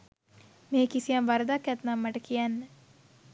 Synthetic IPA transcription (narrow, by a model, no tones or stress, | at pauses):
mẽːkisijãʋaɾd̪akɛt̪nãməʈkianː